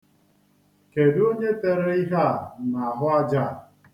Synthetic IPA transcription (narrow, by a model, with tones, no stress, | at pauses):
ke˨du˦o˦ɲe˦te˦ɾe˦i˦ɦa˦˨na˨a˨ɦʊ˦a˦d͡ʒa˦˨